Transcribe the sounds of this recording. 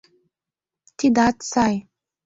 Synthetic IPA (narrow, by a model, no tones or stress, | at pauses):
t̪ʰid̪att͡saj